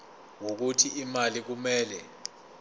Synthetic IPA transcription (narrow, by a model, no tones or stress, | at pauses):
wok̬utʰiimalik̬umɛːlɛ